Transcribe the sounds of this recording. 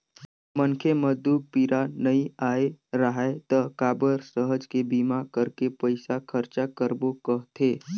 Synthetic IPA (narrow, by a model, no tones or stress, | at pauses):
mənkʰeməzd̪uːk̚piɾanɐĩaːeɾəɦaet̪əɦkaːbəɾsəɦəd͡ʒkebiːmakəɾkepəɪsakʰəɾt͡ʃakəɾbokəɦt̪ʰeː